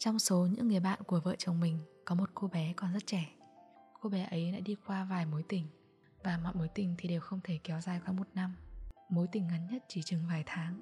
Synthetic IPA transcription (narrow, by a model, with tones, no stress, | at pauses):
t͡ɕɔ˧wŋ͡mso˨˦ɲɨ̰˧˥ŋːɨ˨˩əjɓa̰ː˧˨nku˧˩əvə̰ː˧˨t͡ɕə˨˩wŋ͡mmï˨˩ŋ̟kɔ˨˦mo˨˩t̚ko˧ɓɛ˨˦kɔ˨˩nzə˦˥t̚t͡ɕɛ˧˩ | ko˧ɓɛ˨˦ʔə˨˦jla̰ː˧˥ɗi˧kwaː˧vaː˨˩jmo˨˦jt̪ï˨˩ŋ̟ | vaː˨˩mɔ̰ː˧˨jmo˨˦jt̪ï˨˩ŋ̟t̪ʰi˨˩ɗe˨˩wxə˧wŋ͡mt̪ʰe˧˩kɛ˨˦wzaː˨˩jkwaː˨˦mo˨˩t̚na˧mmo˨˦jt̪ï˧˩ŋ̟ŋa˨˦nɲə˦˥t̚t͡ɕi˧˩t͡ɕɨ˨˩ŋvaː˨˩jt̪ʰaː˨˦ŋ